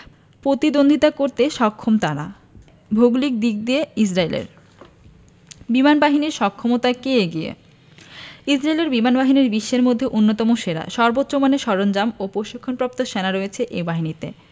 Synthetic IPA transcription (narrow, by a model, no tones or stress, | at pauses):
pɾot̪id̪ond̪ʱit̪akoɾt̪eʃɔkʰːomt̪aɾa̰ | bʱoɡlik̚d̪ik̚d̪ieis̬ɾaelḛɾ | bimanbaɦiniɾʃɔkʰːomot̪akeeɡiḛ | isɾaeleɾbimanbaɦiniɾbiʃːeɾmod̪ʱːeʔunːot̪ɔmoʃeɾa̰ʃɔɾbot̪ːɕomaneʃɔɾond͡ʑamopɾoʃikʰːonpɾap̚t̪oʃenaɾoet͡ɕʰeʔebaɦinit̪ḛ